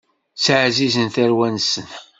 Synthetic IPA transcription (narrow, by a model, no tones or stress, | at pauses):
sʕzizənθæɾwænsən